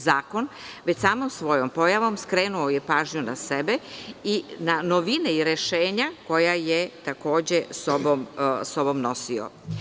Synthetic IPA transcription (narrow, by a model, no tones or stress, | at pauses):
zaːko̞nʋet͡ɕsaːmomsʋo̞jompo̞jaʋo̞mskɾeːnuojepaːʒɲunasebeinanoʋineiɾeʃeːɲako̞jajet̪ako̞ːd͡ʑesobomsobo̞mno̞sio̰